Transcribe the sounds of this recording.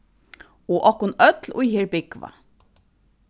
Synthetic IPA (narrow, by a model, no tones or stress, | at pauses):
oːʔɔhkʊnœt̪lʊjheːɹbɪkʋa̰